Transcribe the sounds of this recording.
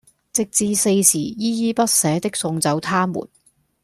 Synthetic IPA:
t͡sɪ˨k̚t͡siː˧se˧jsiː˨˩jiː˥jiː˥pɐ˥t̚sɛː˨˥t̪ɪ˥k̚sʊ˧ŋt͡sɐ˨˧wt̪ʰaː˥mṵː˨˩n

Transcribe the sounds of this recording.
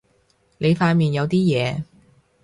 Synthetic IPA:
ne˨˧jfaː˧nmiː˨njɐ˨˧wt̪iː˥jɛː˨˧

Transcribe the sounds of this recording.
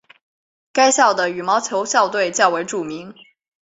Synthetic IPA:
ka˥ɪɕjɑ˥˩ʊd̪ə˩y˨˩mɑ˧˥ʊt͡ɕʰjo˧˥ʊɕjɑ˥˧ʊt̪we˥˧˩ɪt͡ɕjɑ˥˩ʊwe˧˥ɪʈ͡ʂu˨˩mi˧˥˦ŋ

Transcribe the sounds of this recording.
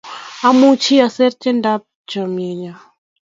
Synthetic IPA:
a˦mu˦t͡ʃʰi˦a˨sɛ˦ɾt͡ʃɛ˦nda˦p̚d͡ʒɔ˨mjɛ˨ɲa˨

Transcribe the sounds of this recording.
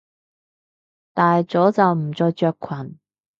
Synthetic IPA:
t̪aː˨jt͡so˨˥wt͡sɐ˨˧wm̩˨˩t͡sɔː˧jt͡ʃœː˧kʰːwɐ˨˩n

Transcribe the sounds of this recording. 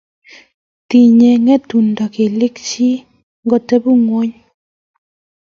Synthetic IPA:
ti˨ɲɛ˨ŋɛ˦tu˨nda˨ke˨le˦kt͡ʃi˦ | ŋɡɔ˨tɛ˦bu˦˨ŋwo˦ɲ

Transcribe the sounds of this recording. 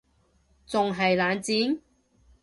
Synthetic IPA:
t͡sʊ˨ŋɦɐ˨jlaː˨˧nt͡siː˨˥n

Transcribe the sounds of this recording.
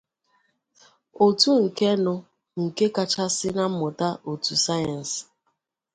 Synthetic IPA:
o˨tu˦ŋ̩˨ke˦nʊ˦ | ŋ̩˨ke˦ka˦t͡ʃa˦sɪ˦na˦m̩˦mʊ˨ta˦ʔo˨tu˨sa˦ja˨n̩˨s

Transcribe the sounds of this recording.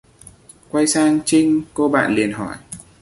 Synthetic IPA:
kwa˧jsaː˧ŋt͡ɕï˧ŋ̟ko˧ɓa̰ː˧˨nli˨˩ənɦɔ˧˩j

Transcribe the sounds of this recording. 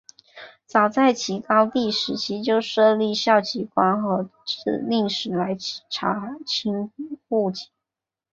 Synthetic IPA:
t͡sɑ˨˩ʊt͡sa˥˩ɪt͡ɕʰi˧˥kɑ˥ʊt̪i˥˩ʂɻ̩˨˧˥t͡ɕʰi˥t͡ɕjo˥˧ʊʂɤ˥˧li˥˧ɕjɑ˥˩ʊt͡ɕi˧˥kwa˥nxɤ˧˥ʈ͡ʂ̩˥˩li˥˩ŋʂɻ̩˨˩la˧˥ɪ˥ʈ͡ʂʰa˧˥t͡ɕʰi˥ŋku˥˩t͡ɕi˧˥˦

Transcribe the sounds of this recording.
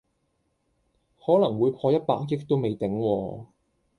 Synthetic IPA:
hɔː˨˥lɐ˨˩ŋwuː˨˧jpʰɔː˧jɐ˥t̚paː˧k̚jɪ˥k̚t̪o˥wme˨jt̪ɪ˨˥ŋwɔː˧

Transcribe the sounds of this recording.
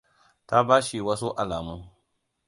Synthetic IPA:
ta˦baː˦ʃi˨wɐ˦su˦ʔa˨laː˨mu˦

